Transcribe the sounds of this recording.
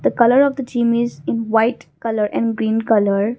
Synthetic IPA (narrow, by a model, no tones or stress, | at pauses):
d̪̥əkʌləɾɔːʋd̪əʈĩːmɪzɪ̃nʋaɪʈkʌləɾʔɛ̰̃ɳɖɡɾĩːnkʌləɾ